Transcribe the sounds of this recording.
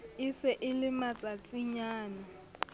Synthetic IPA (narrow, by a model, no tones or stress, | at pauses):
ɪsɪʔɪlɪmat͡sʼat͡sʼiɲaːna